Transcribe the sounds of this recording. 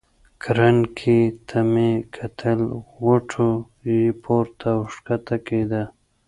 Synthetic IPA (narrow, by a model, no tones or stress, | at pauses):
kɾankʰit̪ʰamekʰat̪ʰəlɣoʈʰo | jipʰoɾt̪ʰaʊʂkat̪aked̪a